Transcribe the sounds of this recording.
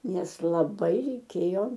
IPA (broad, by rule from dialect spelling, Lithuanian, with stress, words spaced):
ˈnʲɛs lˠɐˈbɐɪ rʲɛɪˈkʲeːjoː